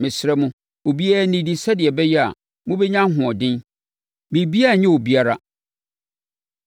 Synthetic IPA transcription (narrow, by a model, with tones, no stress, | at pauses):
mɪ̃˨sɾɛ˦mʊ̃˦ | o˨bi˦a˦nɪ̃˨di˨sɛ˦dɪ˨ɛ˨bɛ˦jɛ˦a̰˨ | mũ˦bɛ˦ɲã˦ɦʊ̃˨ɔ˨dɪ̃˦n | mĩ˨bi˦a˦˨ɲɛ̃˦o˨bi˦a˦ɾa˦